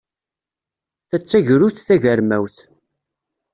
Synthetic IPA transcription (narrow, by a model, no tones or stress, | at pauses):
θæt͡sːæʝɾuθθæʝəɾmæwθ